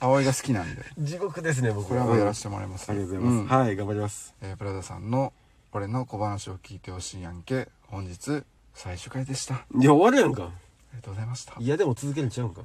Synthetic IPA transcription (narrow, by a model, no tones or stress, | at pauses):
aoiɡasɨ̥kʲinãnd̪e̞̰d͡ʑiɡo̞kɯ̟d̪e̞s̬ɨne̞bokoɾeaaeɾaɕi̥t̪e̞moɾa̰ɾʲimasɨ̥aɾʲiɡat̪ozaimasɨhaiɡãmbaɾʲimasɨ̥eːpɯ̟ɾad̪asã̰nːo̞ | oɾe̞no̞ko̞banaɕio̞kʲiːt̪e̞ho̞ɕiːjãŋke̞ | hõ̞ɲ̟d͡ʑit͡sɨ | saiɕɨ̥kaid̪e̞ɕi̥t̪aijaoβaɾɯjãŋka̰ | aɾʲiat̪oɡozaimaɕi̥t̪ḁijad̪e̞mo̞t͡sɨzɨk̬e̞ɾɯ̟ɲt͡ɕaɯ̟̃ŋka̰